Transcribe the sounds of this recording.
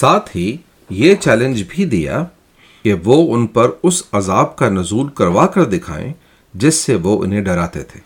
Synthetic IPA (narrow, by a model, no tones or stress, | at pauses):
saːt̪ʰɦi | jet͡ʃɛːlə̃nd͡ʒbʱid̪ija̰ | keʋoːʊnpɐɾʊsɐzaːbkanɐzuːlkɐɾʋaːkɐɾd̪ɪkʰa̰ːḛ̃ | d͡ʒɪsːeʋoʔʊ̰nɦẽɖɐɾaːt̪ḛt̪ʰeː